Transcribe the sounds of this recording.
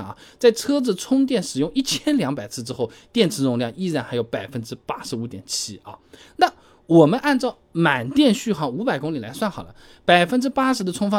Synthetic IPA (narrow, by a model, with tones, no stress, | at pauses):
ŋɐ̰˩t͡sa˥˩ɪt͡sʰɤ˥d͡zɹ̩˩t͡sʰʊ˥ŋt̪̬jɛ˥˩nʂɻ̩˨˩jʊ˥˧ŋi˥˩t͡ɕʰjɛ˥nljɑ˧˥ŋpa˨˩ɪt͡sʰɹ̩˥˧ʈ͡ʂɻ̩˥xo˥˩ʊt̪jɛ˥˩nt͡sʰɻ̩˧˥nʊ˧˥ŋljɑ˥˧ŋi˥˧ɻa˥˩nxa˧˥ɪjo˧˥ʊpa˨˩ɪfə˥nʈ͡ʂɻ̩˥pa˥ʂɻ̩˧˥u˧˥t̪jɛ˨˩nt͡ɕʰi˥ɐ̰˧na˥˩ | wɔ˨˩mə˦nʔa˥˧nt͡sɑ˥˩ʊma˨˩nt̪jɛ˥˧nɕy˥˧xɑ˧˥˩ʊu˧˥pa˨˩ɪkʊ˥ŋli˨˩la˧˥ɪswa˥˩nxɑ˨˩lə̰˦ | pa˨˩ɪfə˥nʈ͡ʂɻ̩˥pa˥ʂɻ̩˧˥d̪ə˧t͡sʰʊ˥ŋfɑ˥